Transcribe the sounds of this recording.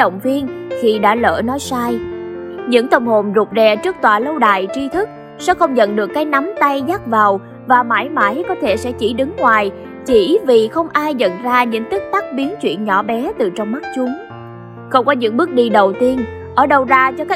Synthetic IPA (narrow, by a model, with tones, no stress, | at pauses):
ɗə̰˧˨wŋ͡mvi˧ənxʰi˨˩ɗa̰ː˧˥lə̰ː˧˩nɔ˨˦jsaː˧j | ɲɨ̰˧˥ŋt̪ə˧wŋ͡mho˨˩nzu˨˩p̚zɛ˨˩t͡ɕɨ˦˥k̚t̪wa̰ː˧˨˩lə˧wɗa̰ː˧˨jt͡ɕi˧t̪ʰɨ˦˥k̚ | sɛ̰˧˥xə˧wŋ͡mzə̰˧˨nɗɨ˨˩əkːaː˨˦jna˨˦mt̪a˧jzaː˦˥k̚vaː˨˩w | vaː˨˩ma̰ː˧˩jma̰ː˧˩jkɔ˨˦t̪ʰe˧˩sɛ̰˧˥t͡ɕi˧˩ɗɨ˨˦ŋŋwaː˨˩j | t͡ɕi˧˩vi˨˩xə˧wŋ͡mʔaː˧jzə̰˧˨nzaː˧ɲɨ̰˧˥ŋt̪i˦˥k̚t̪a˦˥k̚ɓi˨˦ənt͡ɕwḭ˧˨ənɲɔ̰˧˩ɓɛ˨˦t̪ɨ˨˩t͡ɕɔ˧wŋ͡mma˦˥t̚t͡ɕʊ˨˦ŋ͡m | xə˧wŋ͡mkɔ˨˦ɲɨ̰˧˥ŋɓɨ˦˥ək̚ɗi˧ɗə˨˩wt̪i˧ən | ʔəː˧˩ɗə˧wzaː˧t͡ɕɔ˧kaː˦